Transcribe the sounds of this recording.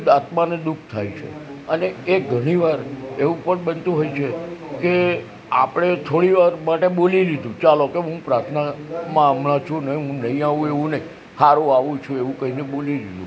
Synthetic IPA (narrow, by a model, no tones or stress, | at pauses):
d̪at̪mãned̪ukʰt̪ʰajt͡ʃʰḛəneːɡʱəɽ̃iʋaɾeʋũpəɳɓənt̪ũɦojt͡ʃʰeke | a̰pɽ̃et̪ʰoɽiʋaɾmaʈeɓoliɾid̪ũt͡ʃalokeɦũpɾaɾt̪ʰnamãːmlãt͡ʃʰũnəɦĩɦũnəɦĩaʋũeʋũnəĩ | haɾuaʋũt͡ʃʰũeʋũkəɦineɓoliɾid̪ʱṵ̃